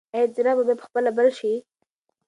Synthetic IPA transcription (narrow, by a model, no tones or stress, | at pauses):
aziɾababapə̥xpəlabəɾʃi